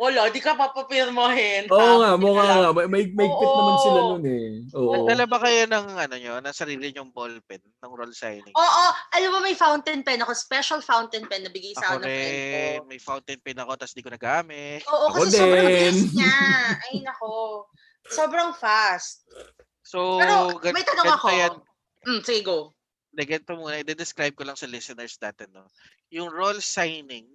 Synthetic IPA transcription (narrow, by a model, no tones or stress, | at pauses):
ʔoloːd̪ɪkɐpɐpɐpɪɾmohɛnoːʔoŋaʔmoŋaŋamɐmɐʔɪɡ̚mɐʔɪɡ̚pːɪt̪̚nɐmɐnsɪlanonɛʔoːʔnɐɡʔd̪ɐlɐbakɐjonɐŋɐnoɲonɐsɐɾiːlɪɲʊŋbolpɛnːɐŋɾolsa̰jnɪ̰ŋʔoːʔoʔɐlobɐmɐjfawnt̪ɛnpɛnɐko̞spɛʃɐlfawnt̪ɛnpɛnːɐbɪɡajsɐanɐɛmɐjfawnt̪ɛnpɛnɐko̞t̪asɪnd̪ikonɐɡɐʔaːmɛʔoːʔokɐsɛsd̪ɛoɐnɲaɐjɐnɐko | soːbɾɐŋfast̪̚ | sowɛɾoɡɐmɐjt̪ɐɡ̪oɡɐŋɐkoɐjan | m̩sɪɡɪɡo | d̪ɐɡɐnt̪omuːnɐʔɛd̪ɛd̪ɛskɾajb̚kolɐŋsɐlɪsɛnɛɹsnaːt̪ɛnːo | jʊŋɹolsajnɪŋ